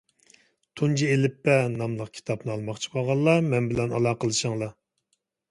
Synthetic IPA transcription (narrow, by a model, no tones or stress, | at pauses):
t̪ʰund͡ʒielɪpːɛnɑmlˠəq̚kʲʰi̥t̪ʰɑpnɨɑlˠmɑχt͡ʃʰi̥bʰɑʁɑlˠːɑmɛnbɪlɛnɑ̰lˠɑːqəlˠɨʃəŋlˠɑ